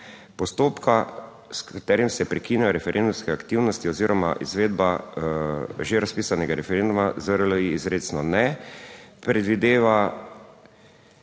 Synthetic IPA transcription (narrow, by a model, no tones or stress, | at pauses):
pɔst̪oːpka | skat̪ɛːɾjimsɛpɾɛkinjajɔɾɛfɛɾʔend̪umskɛakt̪iwnɔst̪iɔziːɾɔma̰ʔizʋeːd̪ba | ʒeɾaspiːsanɛɡaɾɛfɛɾend̪umazəɾlɔjiizɾeːt̪snɔnɛ | pɾɛd̪ʋid̪eːʋa